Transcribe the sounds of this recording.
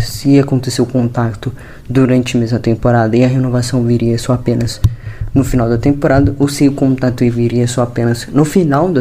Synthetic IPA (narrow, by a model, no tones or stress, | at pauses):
sɪakõnt̪eseʊkõnt̪akt̪ʊ | d̪uɾɐ̃nt͡ʃɪɐmezmɐt̪ẽmpoɾad̪ɐɪɐɦenovasɐ̃w̃viɾiɐsɔapẽnɐznʊfinawd̪ɐt̪ẽmpoɾad̪ɐʔʊsewkõnt̪at̪ʊeviɾiɐsɔapẽnɐznʊfinawd̪ɐ